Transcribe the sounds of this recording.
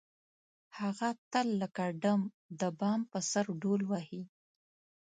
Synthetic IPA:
haɣat̪əlːəkaɖam | d̪əbɑmpəsaɾɖolwahi

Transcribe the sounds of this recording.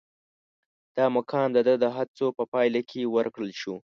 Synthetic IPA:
d̪̥ɑmakʰɑnd̪əd̪əd̪əɦat͡sopəpɑjlakʰewəɾkɽəlʃu

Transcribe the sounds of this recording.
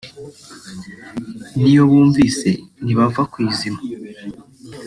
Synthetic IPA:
nijo̞βuːɱviːse̞niβavakwiːzima

